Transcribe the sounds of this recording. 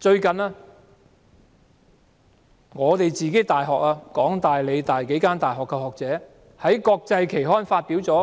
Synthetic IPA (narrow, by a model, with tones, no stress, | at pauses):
t͡ʃɵ˧ɥkɐ˨naː˧ | ŋɔː˨˧t̪e˨jt͡siː˨ke˨˥jt̪aː˨jɦɔː˨k̚aː˧kɔː˨˥ŋt̪aː˨jle˨˧jt̪aː˨jke˨˥jkaː˥nt̪aː˨jɦɔː˨kːɛ˧hɔː˨˩k̚t͡sɛː˨˥ | hɐ˨˥jkɔː˧k̚t͡sɐ˧jkʰe˨˩jɦɔː˥nfaː˧t̚piː˨˥wt͡sɔː˨˥